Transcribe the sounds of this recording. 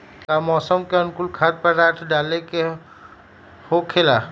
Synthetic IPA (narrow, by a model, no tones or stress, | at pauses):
kamɔːsəmkeənkulkʰad̪̚pəɾɾaːʈ̪ʰɖaːleke | hokʰelaː